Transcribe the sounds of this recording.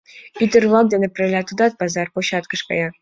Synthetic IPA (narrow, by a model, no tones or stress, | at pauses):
id̪ɘ̆rlɑk̚d̪enʲɘprelʲɑt̪ud̪ɑt̪̚bɑzɑrpoɕɑt̪kɤ̆ʃkɑ̰jɑ